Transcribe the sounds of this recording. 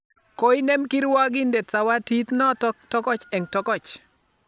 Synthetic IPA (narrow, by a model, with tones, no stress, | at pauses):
ko˦i˦ne˦mki˦ɾwa˦ɡɪ˦nde˨tsa˨wa˦ti˦t̪nɔ˦ttɔ˦kɔ˦t͡ʃɛ˨ŋtɔ˦kɔ˦˨t͡ʃ